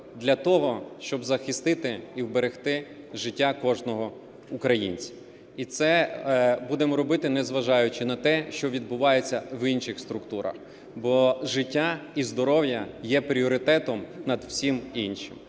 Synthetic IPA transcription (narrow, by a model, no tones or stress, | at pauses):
d̪lʲɐt̪ɔɦɔʃt͡ʃɔbzɐxɪst̪ɪt̪ɪiwbeɾext̪ɪ | ʒɪtʲːakɔʒnɔɦɔ | ʊkɾɐjḭnʲt͡sʲi̥ | it̪sɛbud̪emɔɾɔbɪt̪ɪnɛzʋɐʒɑjʊt͡ʃɪnɐt̪ɛʃt͡ʃɔʋʲid̪̚bʊʋɑjet͡sʲːɐʋinʃɪxst̪ɾʊkt̪uɾɐ̰x | bɔʒɪtʲːaizd̪ɔɾɔwjɐjɛpɾʲiɔɾɪt̪ɛt̪ɔmnɐd̪wsʲiminʲʃɪ̰m